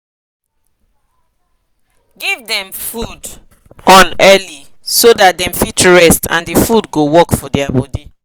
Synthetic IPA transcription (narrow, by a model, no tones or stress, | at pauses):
ɡivdɛ̃mfud | ɔ̃nɛli | sodat̚dɛ̃mfitɹɛstʰã̰ndifudɡowɔkfɔdɛabɔdi